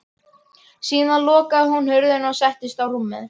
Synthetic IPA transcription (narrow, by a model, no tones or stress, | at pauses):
siːnalɔːkaðʏɦunhʏɾðʏnɔwsɛht̪ɪst̪awr̥umːɪ̰ð